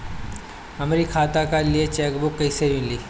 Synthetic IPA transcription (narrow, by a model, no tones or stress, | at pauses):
ɐmɾikʰaːt̪akaliet͡ʃɛːkbʊkːəiseɾʋɪnliː